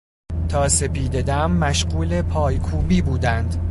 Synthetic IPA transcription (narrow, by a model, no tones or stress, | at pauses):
t̪ʰɒːse̞piːd̪e̞d̪æmːæʃɢuːle̞pʰɒːjkʰuːbiːbuːd̪ænd̪